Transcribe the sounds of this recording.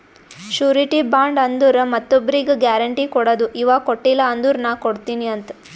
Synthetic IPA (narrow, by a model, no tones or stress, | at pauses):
ʃuːɾiʈibaːɳɖɐnd̪uɾɐmɐt̪ːobːɐɾiɡɐɡjaːɾɐɳʈikɔɽɐd̪uʔiʋaːkoʈːilːɐɐnd̪uɾnɐkoɽt̪iːniɐnt̪ɐ̥